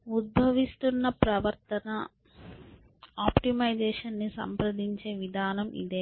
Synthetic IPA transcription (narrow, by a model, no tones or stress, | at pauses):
ud̪̚bʱɐʋist̪unːɐpɾɐʋɐɾt̪ɐnɐ | aːpʈimɐjd͡ʒɛːʂɐnːisɐ̰mpɾɐd̪iɲt͡ʃe̞ːʋid̪ʱaːnɐmʔḭd̪eː